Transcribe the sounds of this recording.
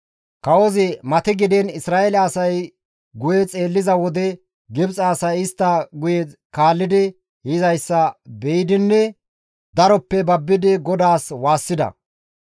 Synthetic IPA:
kɐwɔzɪmɐt̪ɪɡɪd̪ɛnɪsɾaːʔelɐːsɐj | ɡʊjɛt͡sʼe̞ːlːɪzɐwɔd̪ɛ | ɡɪbt͡sʼɐːsɐjɪst̪ːɐɡʊjɛ | kaːlːɪd̪ɪ | hɪzɐjsːɐbɛjɪd̪ɪnːɛ | d̪ɐɾɔpːɛbɐbːɪd̪ɪɡɔd̪aːswaːsːɪd̪ɐ̰

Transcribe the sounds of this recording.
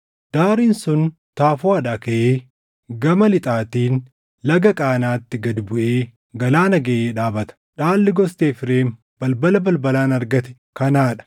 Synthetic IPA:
d̪̥aːɾiːnsʊn | t̪aːfʊaːᶑaːkɐʔeː | ɡɐmɐlɪt̪ʼaːt̪iːn | lɐɡɐkʼaːnaːt̪ːɪɡɐd̪ɪbʊʔeː | ɡɐlaːnɐɡɐʔeːᶑaːbɐt̪ɐ̥ᶑaːlːɪɡɔst̪eːfɪɾeːn | b̥ɐlbɐlɐbɐlbɐlaːnɐɾɡɐt̪ɛ̥ | kɐnaːᶑɐ̥

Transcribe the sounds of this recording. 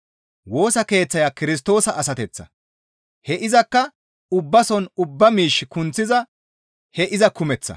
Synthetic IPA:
wo̞ːsɐke̞ːt͡sːɐjaːkɪɾɪs̬t̪o̞ːsɐʔɐsɐt̪ɛt͡sːɐ̰ | hɛʔɪzɐkːɐ | ʊbːɐsɔnʊbːɐmiːʃːɪkʊnt͡sːɪzɐ | hɛʔɪzɐkʊmɛt͡sːɐ̰

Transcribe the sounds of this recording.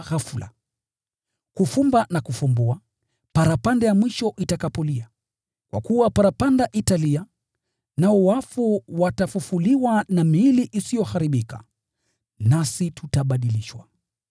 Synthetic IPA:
ɣafula̰ | kufumbanakufumbua | paɾapandɛjamwiʃɔʔitakapɔlia | kwa̰kuwapaɾapandaʔitalia | naɔwafuwatafufuliwanamiːliʔisijɔhaɾiɓika̰ | nasitʰutaɓaɗiliʃwa̰

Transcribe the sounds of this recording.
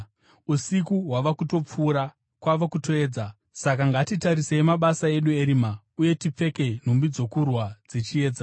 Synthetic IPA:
usikuɦwaʋakuto̞p͡fuːɾa | kwaʋakuto̞e̞ːd͡za | sak̬aŋɡatitaɾiseemaɓasae̞ɗueɾima | uje̞tip͡fe̞ke̞n̤umbid͡zo̞kurwad͡zit͡ʃie̞ːd͡za

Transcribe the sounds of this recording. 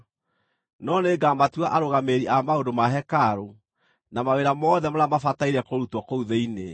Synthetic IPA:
nɔneɡamatwaʔaɾoɣameɾiamaodomaɦɛkaɾo | namaweɾamɔðɛmoɾamafataiɾɛkoɾutwɔkouðeine

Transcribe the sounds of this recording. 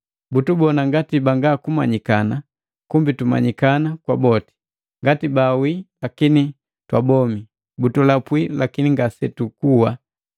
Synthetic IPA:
butubɔnaŋɡatibaŋɡakuma̰ɲikana | kumbituma̰ɲikanakwabɔti̥ | ŋɡatibawilakini | twabɔmi | butulapwilakiniŋɡasɛtukuwa

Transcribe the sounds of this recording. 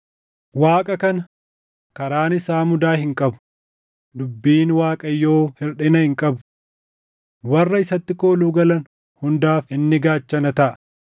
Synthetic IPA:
waːkʼɐkɐnɐ | kɐɾaːnɪsaːmʊd̪aːɦɪŋkʼɐbʊ̥ | d̪ʊbːiːnwaːkʼɐjːo̞ːhɪɾᶑɪnɐhɪŋkʼɐbʊ | wɐrːɐɪsɐt̪ːɪko̞ːluːɡɐlɐn | hʊnd̪aːfɪnːɪɡaːt͡ʃːɐnɐt̪ɐʔɐ̥

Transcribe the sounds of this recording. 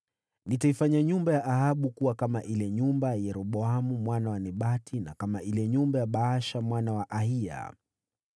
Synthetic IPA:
nitaifaɲaɲumbajaʔahaɓukuwakamaʔilɛɲumbajajɛɾɔɓɔamumwanawanɛɓatina̰kamaʔilɛɲumbajaɓaːʃamwanawaʔahia̰

